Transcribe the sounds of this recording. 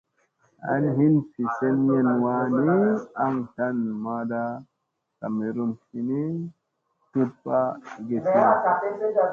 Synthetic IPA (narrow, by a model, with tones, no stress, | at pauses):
a̰˦nɦi˦nsi˨se˦nje˦˨nwa˦ni˦a˦ŋta˦nma˦da˦ | ta˨me˨ɾo˦nsi˨ni˦ | tu˦t̚pa˦˨ɡe˨si˦a˨˦